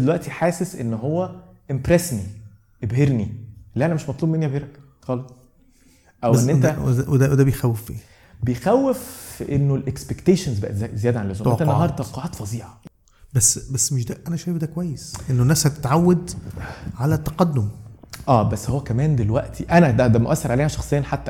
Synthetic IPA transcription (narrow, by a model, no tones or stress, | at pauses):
elwæʔt̪iħaːsesʔenːɦowːæʔempɾesni | ʔebɦeɾnilːiʔænæmeʃmɑt̪ˤluːbmenːiæbheɾæk | xɑlesˤ | ʔæwʔenːʔeæewed̪æwd̪æbejxæwːefʔḛn | bejxæwːefʔenːolʔekspekt̪eːʃenzbæ̰ʔæzejæːd̪æʕanlezomot̪ænːɑɦɑɾˤd̪ˤɑqɑʕɑːt̪fɑzˤiːʕɑ | bæsːbæsːmeʃ̬d̪æʔænæʃæjefd̪ækowæjːesʔenːonːæːshæt̪e̥t̪ʕawːed̪ | ʕalæt̪ːɑqɑd̪ːomʔæːbæsːhowːækæmæːnd̪elwæʔt̪ʰiʔænæd̪æd̪æmoʔæsːeɾʕaleːhæʃɑxsˤejːɑnħat̪ːæ